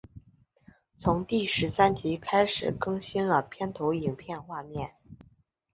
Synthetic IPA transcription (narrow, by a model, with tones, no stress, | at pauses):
t͡sʰʊ˧˥ŋt̪i˥˩ʂɻ̩˧˥sa˥nt͡ɕi˧˥kʰa˥ɪʂɻ̩˨˩kɤ˥ŋɕi˥nlə˨pʰjɛ˥nt̪ʰo˧˥ʊi˨˩ŋpʰjɛ˥˧nxwa˥˧mjɛ˥˩n